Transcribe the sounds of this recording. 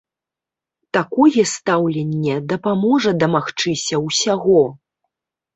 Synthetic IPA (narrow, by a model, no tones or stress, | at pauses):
t̪akɔjɛst̪awlʲɛnʲːɛd̪ɐpamɔʐɐd̪ɐmaxt͡ʂɨsʲɐwsʲaɣɔ